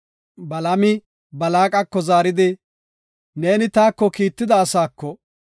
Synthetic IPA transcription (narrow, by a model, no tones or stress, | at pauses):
bɐlɐmɪ | bɐlaːkʼɐkːɔzaːɾɪd̪ɪ | ne̞ːnɪt̪aːkːɔkiːt̪ːɪd̪ɐːsaːkːɔ